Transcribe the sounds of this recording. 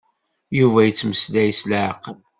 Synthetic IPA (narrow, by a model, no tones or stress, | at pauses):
juvæjət͡sːməslæjəslʕqəl